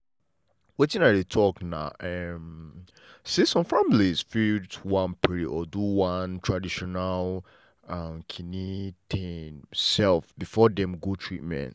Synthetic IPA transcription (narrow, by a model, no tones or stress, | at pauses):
wetĩnatdetʰɔkna̰ʊʔɛm | siesɔ̃mfamiliz̥fidwãnpiɹiɔduwãntʰɹadiʃɔnal | amkʰinitʰẽnsɛlfbifɔdɛ̃mɡotʰɹit̚mɛ̰̃nt